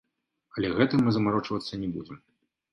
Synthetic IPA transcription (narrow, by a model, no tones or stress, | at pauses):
ɐlʲɛɣɛt̪ɨmɨzɐmaɾɔt͡ʂvɐt̪sːɐnʲɛbud͡zʲɛm